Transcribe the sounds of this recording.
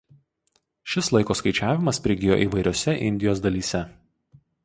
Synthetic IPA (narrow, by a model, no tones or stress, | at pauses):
ʃʲɪslˠɐɪkoːskɐɪt͡ʃʲæːʋʲɪmɐspʲɾʲɪɡʲɪjo̰ːʔiːˑʋɐɪɾʲoːsʲɛʔɪ̰nʲd̪ʲɪjoːsd̪ɐlʲiːsʲɛ